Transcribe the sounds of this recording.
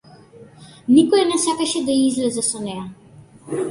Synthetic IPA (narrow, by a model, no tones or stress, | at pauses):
nikɔjɛnɛsakaʃɛd̪aiizlɛzɛsɔnɛja